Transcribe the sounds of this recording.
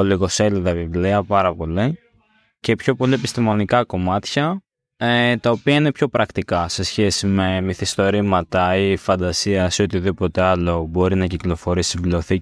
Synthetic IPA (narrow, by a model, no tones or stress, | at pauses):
oliɣo̞se̞liðɐvivliɐpɐɾɐpo̞li | ce̞pço̞po̞liepist̪imo̞nikɐko̞mɐt̪çɐ | et̪ɐo̞piɐine̞pço̞pɾɐkt̪ikɐse̞sçe̞sime̞miθist̪o̞ɾimɐt̪ɐifɐnd̪ɐsiɐseo̞t̪iðipo̞t̪e̞ɐlo̞bo̞ɾinɐciklo̞fo̞ɾisivleoθi